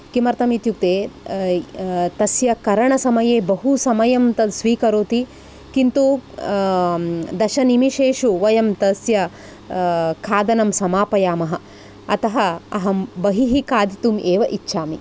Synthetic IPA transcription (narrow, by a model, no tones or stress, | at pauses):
kimɐɾt̪ɐmit̪juk̚t̪eː | t̪ɐsjɐkɐɾɐɳɐsɐmɐjeːbɐɦusɐmɐjɐmt̪ɐsʋiːkɐɾoːt̪i | kint̪u | d̪ɐʃɐnimiʃeːʃuʋɐjɐmt̪ɐsjɐ | kʰaːd̪ɐnɐmsɐmaːpɐjaːmɐɦɐ̆ | ɐt̪ɐɦɐɐɦɐbɐɦiɦikaːd̪it̪umeːʋɐʔitːʃʰaːmi